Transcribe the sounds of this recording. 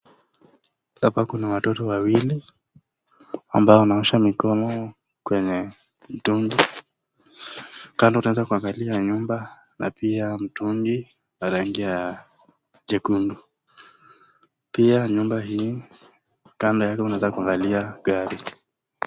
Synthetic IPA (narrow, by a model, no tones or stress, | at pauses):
hapakunawatɔtɔwawili | a̰mbaɔnauʃamikɔnɔ | kwɛɲɛ | m̩tuŋɡi | kandɔunaɛzakuaŋɡaliaɲumba | nʔa̰piam̩tuŋɡi | aɾaŋɡia | ʄɛkundu | piaɲumbaɦiː | kandɔjakɛunaɛzakuaŋɡaliaɠaɾi